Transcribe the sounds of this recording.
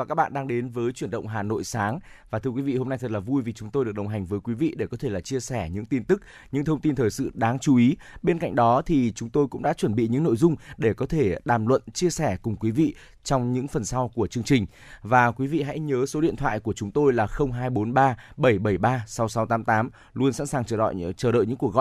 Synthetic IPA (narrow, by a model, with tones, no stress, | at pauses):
vaː˨˩kaː˦˥k̚ɓa̰ː˧˨nɗaː˧ŋɗe˨˦nvəː˨˦jt͡ɕwi˧˩ənɗə̰˧˨wŋ͡mɦaː˨˩no̰˧˨jsaː˨˦ŋvaː˨˩t̪ʰɨ˧əkwi˨˦vḭ˧˨ho˧mna˧jt̪ʰə˨˩t̚laː˨˩vu˧jvi˨˩t͡ɕʊ˨˦ŋ͡mt̪o˧jɨ˨˩ək̚ɗə˨˩wɦa˨˩ŋ̟vəː˨˦jkwi˨˦vḭ˧˨ɗe˧˩kɔ˨˦t̪ʰe˧˩laː˨˩t͡ɕi˧əsɛ˧˩ɲɨ̰˧˥ŋt̪i˧nt̪ɨ˦˥k̚ | ɲɨ̰˧˥ŋt̪ʰə˧wŋ͡mt̪i˧nt̪ʰəː˨˩jsɨ̰˧˨ɗaː˨˦ŋt͡ɕu˨˦ʔi˨˦ | ɓe˧nka̰˧jŋ̟ɗɔ˨˦t̪ʰi˨˩t͡ɕʊ˨˦ŋ͡mt̪o˧jkʊ̰˧˥ŋ͡mɗa̰ː˧˥t͡ɕwə˧˩nɓḭ˧˨ɲɨ̰˧˥ŋno̰˧˨jzʊ˧ŋ͡mɗe˧˩kɔ˨˦t̪ʰe˧˩ɗaː˨˩mlwə̰˧˨nt͡ɕi˧əsɛ˧˩kʊ˨˩ŋ͡mkwi˨˦vḭ˧˨ | t͡ɕɔ˧wŋ͡mɲɨ̰˧˥ŋfə˨˩nsa˧wku˧˩ət͡ɕɨ˧əŋt͡ɕï˨˩ŋ̟ | vaː˨˩kwi˨˦vḭ˧˨ɦa̰˧˥jɲəː˨˦so˨˦ɗḭ˧˨nt̪ʰwa̰ː˧˨jku˧˩ət͡ɕʊ˨˦ŋ͡mt̪o˧jlaː˨˩xə˧wŋ͡mɦaː˧jɓo˨˦nɓaː˧ɓə˧˩jɓə˧˩jɓaː˧sa˨˦wsa˨˦wt̪aː˨˦mt̪aː˨˦m | lu˧ənsa̰˧˥nsaː˨˩ŋt͡ɕəː˧˩ɗɔ̰˧˨jt͡ɕəː˧˩ɗə̰˧˨ɲɨ̰˧˥ku˨˩əkɣɔ̰˧˨